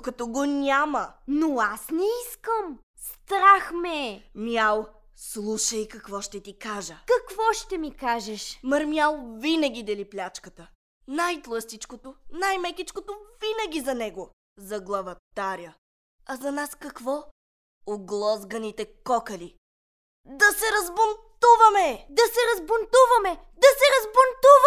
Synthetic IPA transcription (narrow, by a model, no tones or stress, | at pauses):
kɐt̪ɔɡonʲamɐnoasnɛiskəm | st̪ɾaxmɛmjalˠ | slˠuʃəjkɐkvɔʃt̪ɛt̪ikaʒəkɐkvɔʃt̪ɛmikaʒɛʃməɾmjalˠvinəɡʲid̪ɐliplʲat͡ʃkət̪ə | najt̪lˠɐst̪it͡ʃkot̪onajmɛkʲit͡ʃkot̪ovinəɡʲizɐnɛɡo | zɐɡlˠɐvɐt̪aɾʲjə | ɐzɐnaskɐkvɔ | oɡlˠɔzɡɐnit̪ɛkɔkəli | d̪ɐsɛɾɐzbont̪uvɐmɛd̪ɐsɛɾɐzbont̪uvɐmɛ | d̪ɐsɛɾɐzbont̪uv